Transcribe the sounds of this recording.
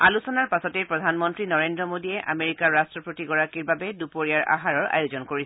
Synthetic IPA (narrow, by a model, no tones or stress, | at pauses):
alusɔnaɹpasɔtejpɹɔdʱanmɔntɹinɔɹendɹɔmodiɛʔa̰meɹikaɹːastɹɔpɹotiɡɔɹakiɹbabɛdupoɹijaɹʔa̰ɦaɹɔɹʔa̰jʊzɔnkoɹis